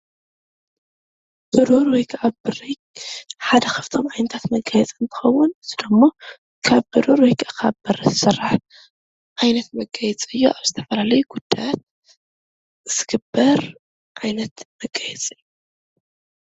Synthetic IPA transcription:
bɨɾoɾwɔjkʰaβbɨɾojkʼħad̪ɐxɨ̥ft̪ʰomʕajnɐt̪ʰat̪mɐɡʼajɛt͡sʼɨnt̪ʰɨ̥xɐwːʊnzɨd̪omːo | kʰaβbɨɾuɾojkʼakʰaβbɐɾɐzsɨrːaħ | ʕajnɐt̪mɐɡʼɐjɛt͡sʼɨjːo̰ʔaβzɨt̪ʰɐfɐlalɐjuɡ̥ud̪̥ːajat̪̚ | ɨz̥ɨɡɨbːɐɾ | ʔajnɐt̪mɐɡʼːajɛt͡sʼɨjːu

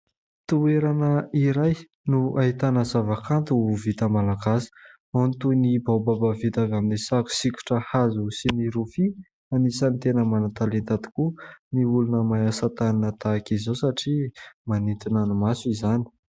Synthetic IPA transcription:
t̪ueɾanəiɾaj | nuaɦit̪anəzavakant̪uvit̪əmalaɡasi̥ | ant̪unibawbabavit̪avaminesaku̥sikʲu̥ʈ͡ʂəhazusiniɾufi | anisant̪enəmanat̪alent̪at̪i̥kuniulunəmajasat̪aninat̪akizowsaʈ͡ʂimanint̪inanumasuizani̥

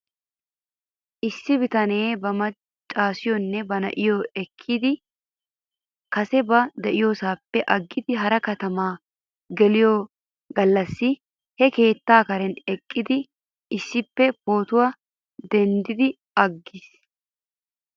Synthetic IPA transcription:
ʔɪsːɪbɪt̪ɐne̞ːbɐmɐ | t͡ʃʼːaːsɪjɔnːɛbɐnɐ̰ʔɪjoɛkʰːid̪ɪ | kɐsɛbɐd̪ɛʔɪjoːsaːpːɛʔɐɡːɪd̪ɪɦɐɾɐkɐt̪ɐmaː | ɡɛlɪjo | ɡɐlːɐsːɪ | hɛke̞ːt̪ːaːkɐɾɛnɛkʼːɪd̪ɪ | ɪsːɪpːɛpo̞ːt̪ʊwɐ | d̪ɛnd̪ɪd̪ɪ | ɐɡːɪs

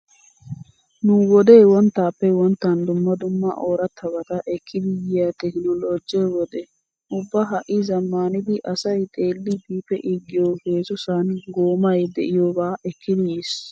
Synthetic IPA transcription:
nʊwɔd̪eːwɔnt̪ːaːpːɛwɔnt̪ːɐnd̪ʊmːɐd̪ʊmːɐ̰ʔoːɾɐt̪ʰːɐbɐt̪ɐʔɛkʰːɪd̪ɪjɪjat̪ɛkɪnɔloːd͡ʒːɛwɔd̪ɛ | ʔʊbːɐɦɐʔːɪzɐmːaːnɪd̪ɪʔɐsɐjt̪ʼe̞ːlːɪbiːpːɛʔɪɡːɪjoːheːsʊsanɡoːmɐjd̪ɛʔɪjoːbaːʔɛkʰːɪd̪ɪjis

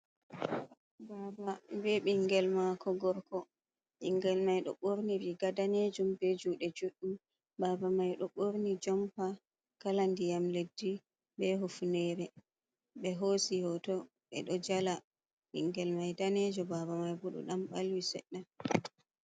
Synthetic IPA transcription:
bababɛɓiŋɡɛlmakɔɡɔɾkɔ | ɓiŋɡɛlmajɗɔ̰ɓoɾniɾiɡadaned͡ʒumbɛd͡ʒuɗɛd͡ʒuɗːum | baːbamajɗɔɓoɾnid͡ʒɔmpa | kalandijamledːi | bɛɦofunɛɾɛ | ɓɛɦosihɔtɔ | ɓɛ̰ɗɔd͡ʒala | ɓḭŋɡɛlmajdanɛd͡ʒɔbabamajbuɗɔ̰ɗamɓalwisɛ̰ɗːa

